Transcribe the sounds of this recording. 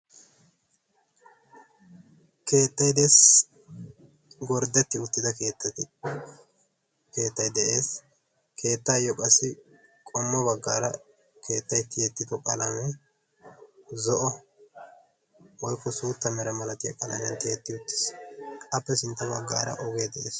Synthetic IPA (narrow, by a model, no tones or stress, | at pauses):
ke̞ːt̪ːɐjd̪es | ɡɔɾd̪ɛt̪ːɪʊt̪ːɪd̪ɐke̞ːt̪ːɐt̪ɪ | ke̞ːt̪ːɐjd̪ɛʔeːs | kʰe̞ːt̪ːaːjɔkʼɐsːɪ | kʼɔmːɐβɐɡːaːɾɐ | kʰe̞ːt̪ːɐjt̪ːɪjɛt̪ːɪd̪ɔkʼɐlɐmɛ | zɔʔɔ | wɔjkːɔsuːt̪ːɐmɛɾɐmɐlɐt̪ɪjɐkʼɐlɐmɛnt̪ɛjɛt̪ːɪʊt̪ːɪ̥sɐpːɛsɪnt̪ːɐbɐɡːaːɾɐ̰ʔɔɡed̪ɛʔḛːs